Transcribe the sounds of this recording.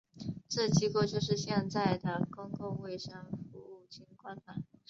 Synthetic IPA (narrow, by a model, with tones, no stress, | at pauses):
ʈ͡ʂɤ˥˩t͡ɕi˧˥kwɔ˥˧t͡ɕjo˥˧ʊʂ̬ɻ̩˥˧ɕjɛ˥˧nt͡sa˥˩ɪd̪ə˩kʊ˥ŋkʊ˥˧ŋwe˥˩ɪʂə˥ŋfu˧˥u˥˩t͡ɕʰi˧˥ŋkwa˥nt̪a˨˩˦